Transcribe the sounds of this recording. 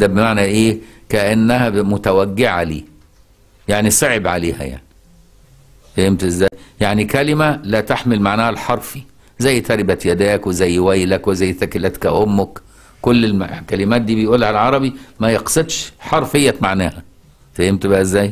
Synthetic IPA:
d̪æbemaʕnæʔeːkæʔænːæhæmʊt̪æwæɡːeʕa̰liː | jaʕnisˤeʕebʕaleːhæ̰ja̰ʕni | fæhemt̪ʔezːæːjjaʕnikælɪmælæt̪aħmɪlmaʕnæːhælħɑɾˤfi | zæjːt̪ɑɾɪbæt̪jæd̪æːkwezæjːwæjlækwezæjːθækɪlæːt̪kæʔomːʊk | kolːelmkælɪmæːt̪̚d̪iːbejʔuːlːæʕalʕɑɾˤɑbimæjeqsˤed̪ʃħɑɾˤfejːæmaʕnæːhæ | fæhemt̪bæʔæezːæːj

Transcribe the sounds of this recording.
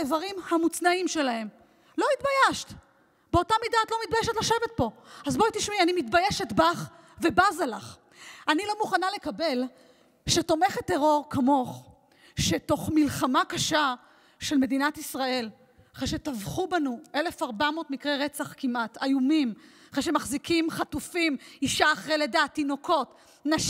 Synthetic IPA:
evaʁimhamut͡snaimʃe̞lae̞m | lo̞it̪bajeʃt | beotamidatlo̞mit̚bajeʃ̬etlaʃevet̪̚po̞azboit̪iʃmianimit̪bajeʃetbaχ | ve̞bazalaχ | anilo̞muχanale̞kabe̞l | ʃeto̞meχet̪ːe̞ʁo̞ʁkamo̞χ | ʃe̞to̞χmilχamakaʃa | ʃe̞lme̞dinatisʁae̞l | aχʁeʃe̞tavχubanuʔe̞lefaʁbamo̞tmikʁeʁe̞t͡saχkimʔatajumimaχʁeʃ̬e̞maχzikimχatufimiʃaːχʁeledaːt̪ːino̞ko̞t | naʃ

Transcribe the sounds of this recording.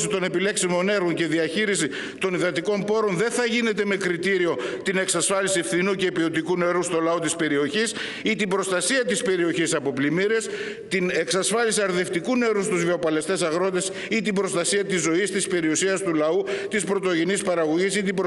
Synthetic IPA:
sit̪one̞pile̞ksimo̞ne̞ɾɣo̞ɲce̞ðiɐçiɾisi | t̪o̞niðɐt̪iko̞mpo̞ɾo̞nðe̞nθɐʝine̞t̪e̞me̞kɾit̪iɾio̞t̪ine̞ksɐsfɐlisie̞fθinucepio̞t̪ikune̞ɾust̪o̞lɐo̞t̪ispe̞ɾio̞çis | it̪ibɾo̞st̪ɐsiɐt̪ispe̞ɾio̞çisɐpo̞plimiɾe̞s | t̪ine̞ksɐsfɐlisiɐɾðe̞ft̪ikune̞ɾust̪uzveopɐle̞st̪e̞sɐɣɾo̞t̪e̞s | it̪ibɾo̞st̪ɐsiɐt̪izo̞ist̪ispe̞ɾiusiɐst̪ulɐut̪ispɾo̞t̪o̞ʝinispɐɾɐɣo̞ʝisit̪ib

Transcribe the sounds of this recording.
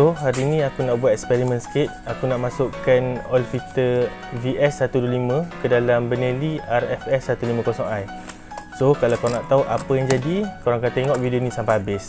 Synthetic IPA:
soɦaɾiːnĩakunaʔbuat̪̚ɛkspɛɾimə̃nsə̥kɪt̪̚akunaʔmãsʊʔkanɔlfit̪ə | viʔɛsːat̪uduolimə̃kədalambənəliarɛfɛsːat̪ulimə̃kɔsɔŋaj | sokalawkoɾaŋnaʔt̪auʔapəjaŋd͡ʒadikoɾaŋkant̪eŋɔʔvidionĩsampahabɪs

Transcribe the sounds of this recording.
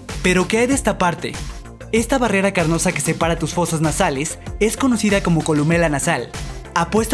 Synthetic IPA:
pe̞ɾo̞keajðe̞st̪apaɾt̪e̞̰ | e̞st̪aβare̞ɾakaɾno̞sake̞̥se̞paɾat̪usfo̞saznasale̞se̞sko̞no̞siðako̞mo̞ko̞lume̞lanasalapwe̞st̪

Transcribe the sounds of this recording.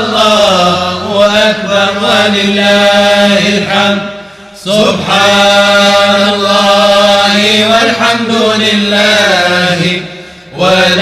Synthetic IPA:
lˤːɑːhwaʔakbɑɾˤalɪlːaːhɪlħamd̪̚ | sʊbħaː | nalˤːɑhɪwalħamd̪ʊlɪlːaːhɪ | wal

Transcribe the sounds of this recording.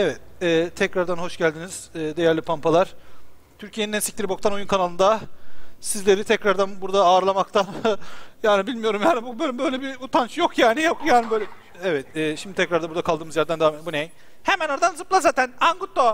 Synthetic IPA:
ɛvɛt̪̚ɛːt̪ʰɛcɾaɾd̪anɦo̞ʃɟælʲd̪iniz̥ɛːd̪e̞jæɾlʲipʰampalˠaɾ̥ | t̪ʰyɾcʰijeinɛsic̚t̪iɾibo̞k̚t̪ano̞junkʰanalˠɯnd̪a | sizlʲe̞ɾit̪ʰɛcɾaɾd̪anbuɾd̪aːɾlˠamakt̪ʰanjaːnibilʲmijo̞ɾumjaːnibubølbø̞jlʲebiut̪ʰant͡ʃjo̞kʰjaːnijokjaːnibøjlʲɛ | ɛvɛt̪ɛːʃimd̪ɪt̪ʰɛcɾaɾd̪abuɾd̪akʰalˠd̪ɯːmɯzjæɾd̪ænd̪avamɛt̪bunej | hemænaɾad̪anzɯplˠaɾzaːt̪ʰænaŋɡut̪ːo

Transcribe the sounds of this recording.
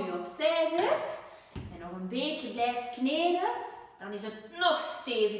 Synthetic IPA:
jəɔpsɛːzɪt | ɛnɔɣənbeːtəblɛːftkneːrəd̥ɑnɪsətnɔxssteːvə

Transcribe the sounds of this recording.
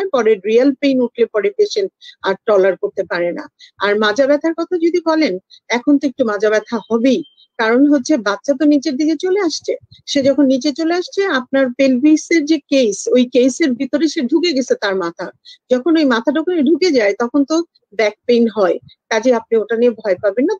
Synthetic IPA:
epɔɾeɾialpejnuʈʰlepɔɽepeʃenʈaɾʈɔlaɾkoɾt̪epaɾena̰aɾmad͡ʑʱabɛt̪ʰaɾkɔt̪ʰad͡ʑod̪ibɔlenɛkʰont̪oek̚ʈumad͡ʑʱabɛt̪ʰahɔbej | kaɾonɦotːɕʰebatːɕʰat̪̬onid͡ʑeɾd̪iɡet͡ɕoleaʃt͡ɕʰeʃed͡ʑɔkʰonːid͡ʑet͡ɕoleaʃt͡ɕʰeap̚naɾpelbiseɾd͡ʑekejsojkejseɾbʱit̪oɾeʃeɖʱukeɡɛt͡ɕʰet̪aɾmat̪ʰad͡ʑɔkʰonojmat̪ʰaʈɔkʰoneɖʱuked͡ʑaet̪ɔkʰont̪o | bɛk̚pejnɦɔe | k̪ad͡ʑeap̚nioʈaniebʱɔepabenːa

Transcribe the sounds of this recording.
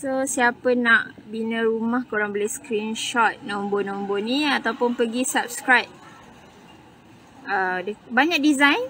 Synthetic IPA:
sosiapənaʔbinə̃ɾumahkoɾaŋbəleskɾinʃɔt̪̚nɔ̃mbonõmbonĩat̪awpʊnpəɡisap̚skɾajt̚ | ədəbaɲãk̚dizãjn

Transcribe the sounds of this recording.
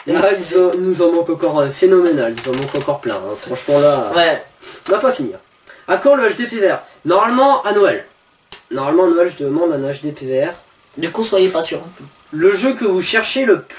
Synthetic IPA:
anuzɑ̃nuzɑ̃mɑ̃kɑ̃kɔʁøfenɔmenalnuzɑ̃mɑ̃kɑ̃kɔʁplɛ̰̃ɛ̰̃fχɑ̃ʃmɑ̃la | napafinḭːʁ | akɔ̃ʁləaʃd̪epeveɛʁ | nɔʁmalmɑ̃anɔɛl | nɔʁmalmɑ̃anɔɛlʒəd̪əmɑ̃d̪ɛ̃naʃd̪epeveɛʁ | d̪əkɔ̃swajepasyʁ̃p | ləʒøkəvuʃɛʁʃeləp

